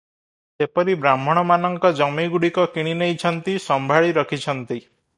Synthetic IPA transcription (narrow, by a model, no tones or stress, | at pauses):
sepɔɾibɾam̤ɔɽ̃ɔmanɔŋkɔd͡ʒɔmiɡuɽikɔkiɽ̃inejt͡ʃʰɔnt̪isɔmbʱaɭiɾɔkʰit͡ʃʰɔnt̪i